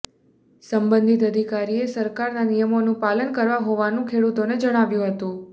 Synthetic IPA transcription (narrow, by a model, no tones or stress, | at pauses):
səmbənd̪ʱit̪əd̪ʱikaɾiesəɾkaɾnanijəmonũpalənkəɾʋaɦoʋanũkʰeɽut̪oned͡ʒəɽ̃aʋjũɦət̪ũ